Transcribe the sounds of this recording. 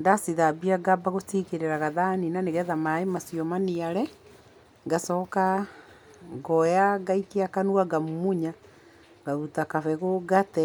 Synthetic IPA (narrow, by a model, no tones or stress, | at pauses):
ndasiðabiaɡabaɣotikeɾeɾaɣaðaninaneɣɛðamaemasiɔmaniaɾɛ | ŋɡasɔka | ŋɡɔjaɡaitiakanuaɡamumuɲa | ɡautakafɛɣoɡatɛ